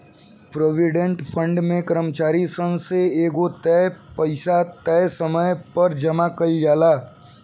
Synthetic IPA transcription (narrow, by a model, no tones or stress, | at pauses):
pɾoːʋɪɖẽɳʈpʰə̃ɳɖmẽkəɾəmt͡ʃaːɾisə̃nseeːɡot̪ɛpɐɪsat̪ɛːsəməjpɐɾd͡ʒɐmakəld͡ʒaːlaː